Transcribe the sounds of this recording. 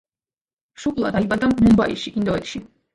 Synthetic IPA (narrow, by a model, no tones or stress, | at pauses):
ʃukʼlˠa̰d̪aibad̪ammumbaḭʃiʔind̪ɔɛt̪ʃi